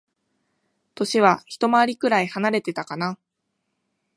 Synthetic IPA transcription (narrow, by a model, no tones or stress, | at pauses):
t̪o̞ɕiβaçi̥t̪o̞maːɾʲikɯ̟ɾaihanaɾe̞t̪e̞t̪akana